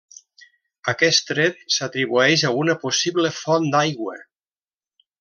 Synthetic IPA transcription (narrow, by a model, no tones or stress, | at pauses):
akɛst̪ɾet̪̚sat̪ɾiβuɛʃaunəposiβlefɔnd̪ajɣwə̰